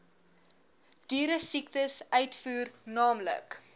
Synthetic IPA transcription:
d̥yːɾəsiktəsœɥtfuːrnɑːmlə̰k

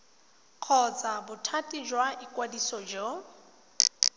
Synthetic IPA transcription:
q͡χʰɔd͡zabʊtʰatʼid͡ʒwaʔikʼwadisɔd͡ʒɔ

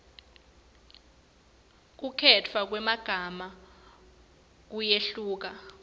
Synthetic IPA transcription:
k̬ukʰɛtʰwak̬wɛmaɡ̥ʱama | k̬ujeɬuːk̬a

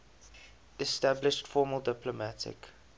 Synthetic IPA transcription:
ɛstablɪʃtfɔːməlˠdɪplɔmætʰɪ̰k

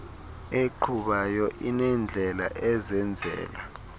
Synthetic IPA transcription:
eǃʰuɓajɔʔinɛnd͡ɮʱɛla̰ʔɛzɛnd͡zʱɛ̰ːla

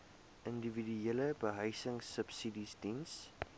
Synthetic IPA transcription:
ʔəndividyeləbəɦəjsəŋsəpsidisdins

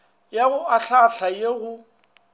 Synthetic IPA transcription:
jaɣʊʔaɬaɬajeɣʊ

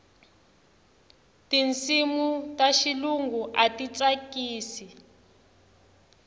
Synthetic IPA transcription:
tint͡simutaʃiluŋɡuʔatit͡sakiːsi

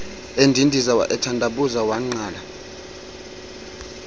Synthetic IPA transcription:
endʱindʱizawa̰ʔɛtʰandʱaɓuzawaŋ͡ǀaːla

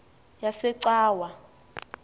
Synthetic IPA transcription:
jasɛǀaːwa

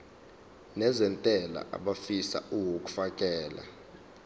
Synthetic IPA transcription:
nɛzɛntʼɛla̰ʔa̰ɓafisa̰ʔuwok̬ʼu̥fakʼɛːla̰

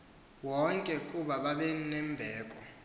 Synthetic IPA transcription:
wɔŋkʼɛkʼuɓaɓaɓɛnɛmbʱɛːkʼɔ

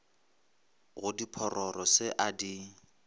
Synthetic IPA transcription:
ɣʊdipʰɔrʔɔrɔsɪʔadi

